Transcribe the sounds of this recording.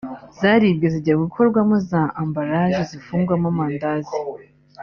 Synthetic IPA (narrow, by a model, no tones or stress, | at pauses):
zaɾibɟeziɟiaɡukʰo̞ɾɡwamozaʔambaɾaʒezifuːŋɡwamamaːndazi